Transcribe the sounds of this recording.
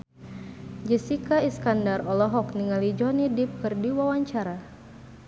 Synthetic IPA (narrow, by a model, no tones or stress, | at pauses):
d͡ʒəsikaiskandarɔlɔɦɔk̚niŋalid͡ʒɔnidip̚kɨrdiwawaɲt͡ʃaɾa